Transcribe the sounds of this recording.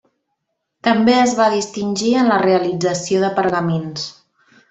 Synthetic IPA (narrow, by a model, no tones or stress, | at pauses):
t̪əmbeəzβaðist̪inʲʒiənləreəlid͡zəsioðəpəɾɣəmens